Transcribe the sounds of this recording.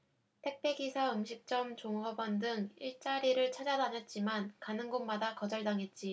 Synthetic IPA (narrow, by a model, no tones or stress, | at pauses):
tʰe̞k̚p͈ʰe̞ɡisʰaɯmɕʰik̚t͡ɕ͈ʌmt͡ɕoŋʌbʌndɯŋiɭt͡ɕ͈aɾiɾɯɭt͡ɕʰad͡ʑadanʌt̚t͡ɕ͈imankanɯnɡonmadakʌd͡ʑʌɭdaŋɦe̞t̚t͡ɕ͈i